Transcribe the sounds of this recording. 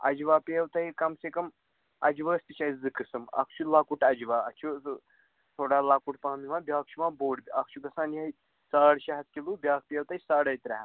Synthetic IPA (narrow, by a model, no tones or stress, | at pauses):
ɐ̰d͡ʒʋaːpeːwt̪ɐɦikɐmsekɐm | ɐd͡ʒʋəːst̪ɨt͡ʃʰɐzɨkɨsɨmɐ̰kʰt͡ʃʰulaːkuʈɐd͡ʒʋaːɐt͡ʃʰu | t̪ʰoːɽaːlaːkuʈpãːnimãːbʲjaːk̚ʰt͡ʃʰumaːboːɽbʲiɐkʰt͡ʃʰuɡɐsaːnjɐi | saːɽʃɐɦɐt̪̚kʲilubʲjaːk̚ʰpeːwt̪ɐisaːɽɐjt̪ɾɐɦ